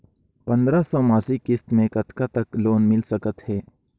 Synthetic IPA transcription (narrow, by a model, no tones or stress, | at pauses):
pɐ̃nd̪ɾasɔːmaːsikɪst̪mẽkɐt̪kat̪ɐkloːnmɪlsɐkət̪hɛː